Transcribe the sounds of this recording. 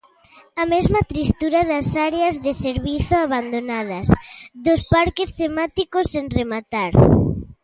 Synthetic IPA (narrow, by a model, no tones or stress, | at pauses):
ɐmezmɐt̪ɾist̪uɾɐðɐsaɾeɐzðɪseɾβiθʊaβand̪onað̞ɐsðʊspaɾkɪst̪emat̪ikoseŋremat̪aɾ